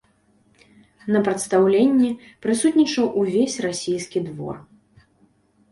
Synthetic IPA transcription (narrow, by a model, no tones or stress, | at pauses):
nɐpɾɐt̪st̪awlʲenʲːi | pɾɨsut̪ʲnʲit͡ʂɐwʔuvʲesʲrasʲijskʲid̪vɔ̰r